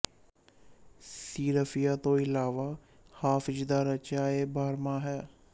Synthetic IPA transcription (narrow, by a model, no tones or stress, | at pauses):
siːɾəfɪjaːt̪õːɪlaːʋaː | haːfɪzd̪aːɾət͡ʃaːeːbaːɾmaːɦɛː